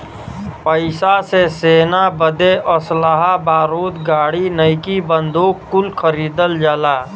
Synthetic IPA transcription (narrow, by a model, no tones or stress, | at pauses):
pəɪsaseseːnabəd̪eʔɔsəlaɦabaːɾoːd̪ɡaːɽinəɪkibənd̪ʱoːkkːʊlkʰəɾiːd̪əld͡ʒaːlaː